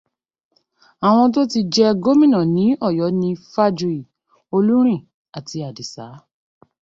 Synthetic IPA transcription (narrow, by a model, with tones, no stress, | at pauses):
a˨w̃ɔ̃˧t̬o˦ti˧d͡ʒɛ˧ɡo˦mĩ˦˨nã˨nĩ˨˦ɔ˦˨jɔ˨˦nĩ˧fa˦d͡ʒu˧i˨ | o˧lu˦ɾ̃ĩ˦˨ | a˨ti˧a˨di˨saː˨˦